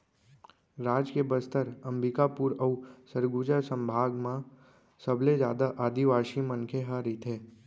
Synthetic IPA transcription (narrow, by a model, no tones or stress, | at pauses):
ɾaːd͡ʒkebəst̪əɾə̃mbɪkapuɾəusəɾɡuːd͡ʒəsə̃mbʱaːɡmã | səblezjaːd̪aʔaːd̪iʋaːʃimə̃nkʰeɦaɾiːt̪ɦɛː